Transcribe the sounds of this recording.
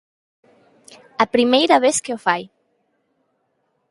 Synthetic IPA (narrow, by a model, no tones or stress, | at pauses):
ɐpɾimejɾaβeskeofaj